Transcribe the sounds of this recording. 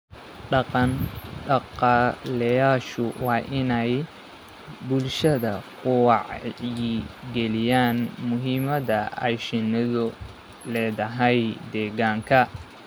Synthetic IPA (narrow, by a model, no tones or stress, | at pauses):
ɖɑqɑnɖɑqɑːlɛjaːʃʊwɑːʔɪnɛj | bʊlʃɐðɐkʰʊwɑʕjiɡɛlɪjaːnmʊɦiːmɐðɐɐ̰jʃɪnɪðʊ | lɛːðɐɦɛjd̪ɛːɣaːŋkʰɐ